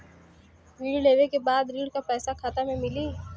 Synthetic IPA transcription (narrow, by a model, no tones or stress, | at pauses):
ɾiːɽleːʋekebaːd̪ɾiːɽkapɛːsakʰaːt̪amẽmɪliː